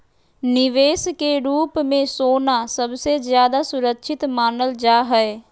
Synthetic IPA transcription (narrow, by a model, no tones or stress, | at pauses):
nɪʋeːskeɾuːpmẽsoːnasəbsezjaːd̪asʊɾəkʃʰɪt̪maːnəld͡ʒaːɦɛɛ